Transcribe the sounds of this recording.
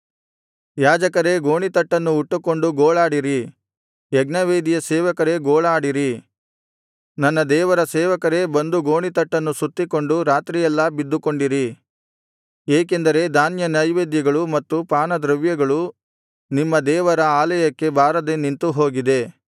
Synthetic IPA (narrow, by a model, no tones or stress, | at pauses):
jaːd͡ʒɐkɐɾe̞ɡo̞ːɳit̪ɐʈːɐnːuːʈːuko̞ɳɖuɡoːɭaːɽiɾi | jɛɡnɐʋeːd̪ijɐseːʋɐkɐɾe̞ɡoːɭaːɽiɾi | nɐnːɐd̪ɛːʋɐɾɐsɛːʋɐkɐɾe̞bɐnd̪uɡoːɳit̪ɐʈːɐnːusut̪ːiko̞ɳɖuɾaːt̪ɾijɛlːɐbid̪ːuko̞ɳɖiɾi | eːk̬e̞nd̪ɐɾe̞d̪aːnjɐnɐjʋeːd̪jɐɡɐɭumɐt̪ːupaːnɐd̪ɾɐʋjɐɡɐɭu | nimːɐd̪ɛːʋɐɾɐaːlɐjɐkːe̞bʱaːɾɐd̪enint̪uɦo̞ːɡid̪e̞